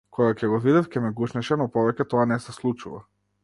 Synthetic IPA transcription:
kʰɔɡacʲɛɡɔvid̪ɛfcɛmɛɡuʃnɛʃɛnɔpɔvɛcʲɛt̪ɔanɛsɛslˠut͡ʃuva̰

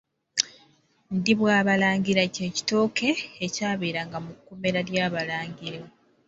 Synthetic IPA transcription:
ndiβwaːβalaːɲɟiɾaceːci̥to̞ːke̞ːcaːβeːɾaŋɡamukːome̞ɾaɾjaːβalaːɲɟiɾe

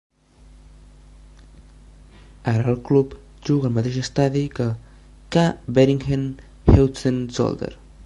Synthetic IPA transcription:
aɾəːlˠklup | ʒuɣəːlˠmət̪eʒəst̪aðikə | kabeɾiŋxen | hewsənzɔ̰lˠd̪ə̰ɾ

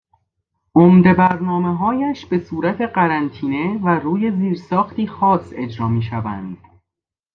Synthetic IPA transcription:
ʔomd̪e̞bæɾnɒːmeɦɒːjæʃb̥e̞suːɾæt̪ʰe̞ɢæɾænt̪ʰiːne̞væruːje̞ziːɾsɒːxt̪ʰiːxɒːse̞d͡ʒɾɒːmiːʃævæ̰nd̪̥

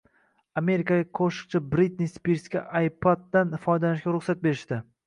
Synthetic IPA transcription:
ame̞ɾikʲaɡʲaqʰoʃɪ̥qt͡ʃʰɪbɾit̪nispiɾskʲa̰ʔajpʰad̪̚ːanfɒjd̪alɪʃkʲaɾʊχsat̪̚beɾɪʃd̪ɪ

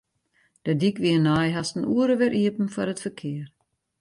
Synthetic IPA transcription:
d̥ədikʋiənajɦastən̩uəɾəʋɪɾʔiəpn̩fɔɾətfərkʰɪər

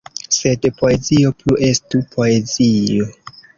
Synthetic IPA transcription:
se̞dpʰo̞e̞zio̞pluʔestupʰo̞e̞zio

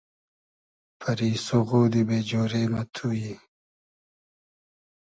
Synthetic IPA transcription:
fʰɐɾiːsoɣoːd̪ibeːd͡ʑoːɾeːmɐt̪ʰuːji

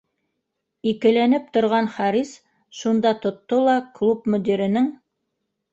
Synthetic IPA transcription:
ikɘ̆lænɘp̚t̪ŏɾʁɑnχɑɾis | ʃund̪ɑt̪ŏt̪ːolˠɑklˠupmɵ̆d̪ʲiɾɘ̆nɘŋ

